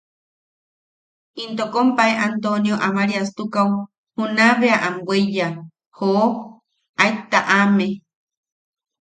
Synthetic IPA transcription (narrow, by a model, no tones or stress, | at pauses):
int̪okompaeʔant̪onjoʔamaɾiast̪ukaw | hunaβeaʔamweja | ho | ajt̪aʔame